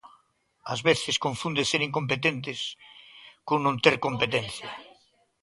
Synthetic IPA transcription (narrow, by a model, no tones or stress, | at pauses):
azβeθɪskoɱfũnd̪eseɾiŋkompet̪ent̪̬ɪs | koŋnõnt̪eɾkompet̪enθjɐ